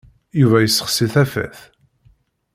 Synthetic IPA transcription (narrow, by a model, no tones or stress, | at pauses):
juvæjəsːə̥χsiθæfæ̰θ